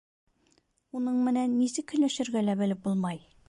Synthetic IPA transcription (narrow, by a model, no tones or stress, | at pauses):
unɤɴmɘ̆nænːisɘkɵ̆jlæʃɘ̆ɾɡælæbɘ̆lɘp̚bulˠmɑj